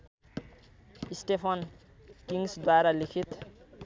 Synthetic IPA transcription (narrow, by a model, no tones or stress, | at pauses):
isʈepʰʌn | kiŋsd̪waɾalikʰit̪